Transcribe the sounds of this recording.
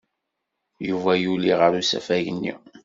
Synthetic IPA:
juvæjuliʁəɾusæ̰fæʝənːḭ

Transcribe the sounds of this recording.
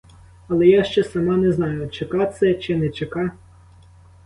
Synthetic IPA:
ɐlˠɛjaʃt͡ʃɛsɐmɑnɛznɑjʊt͡ʃɪkɑt̪sɛt͡ʃɪnɛt͡ʃekɑ

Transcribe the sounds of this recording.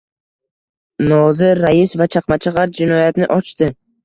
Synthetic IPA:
nɒzɪɾajɪsvat͡ʃʰaqmat͡ʃʰɪʁɑɾd͡ʒɪnɒjat̪nɪʔɒt͡ʃt̪ɪ

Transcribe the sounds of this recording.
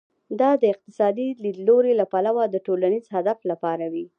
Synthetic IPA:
d̪ɑd̪əɪq̚t̪ɪ̥sɑd̪ilid̪loɾelapalawad̪əʈolanizhad̪aflapɑɾawi

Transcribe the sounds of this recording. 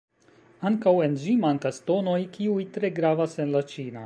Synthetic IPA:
aŋkawe̞nd͡ʒimaŋkasto̞no̞jkiujtɾe̞ɡɾavase̞nlat͡ʃina

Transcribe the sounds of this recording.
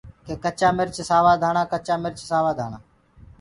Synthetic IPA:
keːkət͡ʃaːmɪɾt͡ʃsaːʋaːd̪ʱaːɳãːkət͡ʃaːmɪɾt͡ʃsaːʋaːd̪ʱaːɳaː

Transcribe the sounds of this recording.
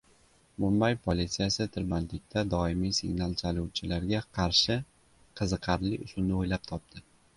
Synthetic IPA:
mʊmbajpʰolit̪sijasɪt̪ʰɪɾbant̪lɪk̚ʲt̪ʰad̪ɒɪmijsɪ̰ɡnalˠt͡ʃʰaluwt͡ʃʰɪlaɾɡʲaqʰɑɾʃɪ | qʰɨzɨqʰɑɾlɪʔʊsʊlnɪojlap̚t̪ʰɒp̚t̪ʰɪ

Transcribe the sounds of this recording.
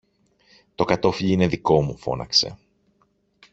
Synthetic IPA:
t̪o̞kɐt̪o̞fiʎiine̞ðiko̞mufo̞̰nɐ̰kse̞̰

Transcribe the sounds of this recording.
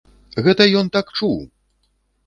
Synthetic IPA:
ɣɛt̪ɐjɔnt̪akt͡ʂuw

